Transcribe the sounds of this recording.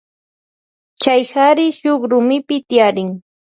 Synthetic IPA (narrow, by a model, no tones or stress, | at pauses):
t͡ʃajhaɾɪʃoχɾʊmɪpɪt̪ɪjaɾɪŋ